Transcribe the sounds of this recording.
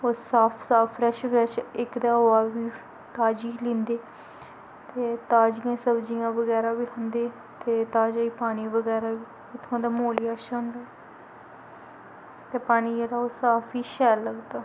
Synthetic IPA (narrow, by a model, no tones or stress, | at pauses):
oːsaːpʰsaːpʰːɾɛʃpʰɾɛːʃɪkd̪aːɦoːaːʋiː | t̪aːd͡ʒiːlĩːnd̪eː | t̪eːt̪aːd͡ʒijãːsəbd͡ʒijãːʋəɡɛːɾaːʋiːɦʊ̃nd̪eː | t̪eːt̪aːd͡ʒaːiːpaːñiːʋəɡɛːɾaːʋiː | ɪt̪ʰːãːd̪aːmoːliːaːʃɦʊ̃nd̪aː | t̪eːpaːniːjeɾaːoːsaːpʰiːʃɛːlːəɡt̪aː